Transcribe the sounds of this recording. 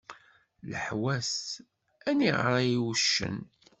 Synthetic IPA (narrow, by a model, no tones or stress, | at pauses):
lə̰ħwæs | æniʁɾˤajiwʃːə̰n